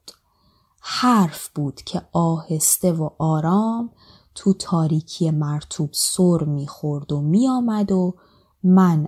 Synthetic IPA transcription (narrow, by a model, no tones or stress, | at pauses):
hæɾfb̥uːd̪̥cʰeʔɒːhest̪e̞voʔɒːɾɒːm | t̪ʰuːt̪ʰɒːɾiːcʰijemæɾt̪ʰuːb̥soɾmiːxoɾd̪omiːɒːmæd̪o | mæn